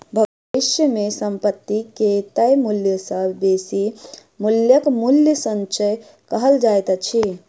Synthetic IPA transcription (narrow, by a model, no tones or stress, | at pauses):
bʱəɡ | iʃjəmesəmpət̪ːiket̪əjmuljəsəbʱbesi | muljəkmuljəsənt͡ʃəj | kəɦəld͡ʒajt̪t͡ʃʰi